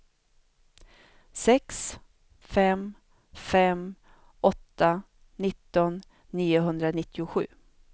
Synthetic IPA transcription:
sɛks | fɛm | fɛm | ʔɔt̪ːa | nɪt̪ːɔnː | iːʊɦɵnd̪ɾanɪt̪ːɪʊɧʉ̟̰ː

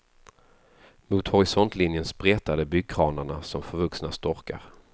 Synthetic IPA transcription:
mʊːt̪hɔɾɪsɔnt̪ʰlɪnjənspɾeːt̪ad̪əbʏɡ̚kʰɾɑːnəɳasɔmfœɾvɵksnast̪ɔɾka̰ɾ

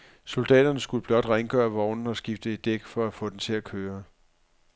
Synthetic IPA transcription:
so̝ld̥ɛ̰ːd̥ɐnəsɡ̥uləb̥lɒ̽d̥ʁaŋəɡ̥œ̰ːɐʋɒʊnn̩ɒ̽sɡ̥ifd̥əe̝d̥ːeɡ̥fɒ̽æfɔ̰̽ːd̥ent͡sʰe̝ækʰøːɐ

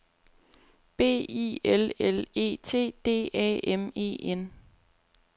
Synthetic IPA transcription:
b̥e̝̰ːḭelele̝̰ːt͡sʰe̝̰ːd̥e̝̰ːɛ̰ːeme̝̰ːen

